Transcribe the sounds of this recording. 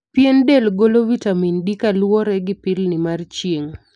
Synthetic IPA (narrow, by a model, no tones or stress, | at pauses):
pjendelɡolovitamindikalwɔɾɛɡɪpɪlnɪmart͡ʃjeŋ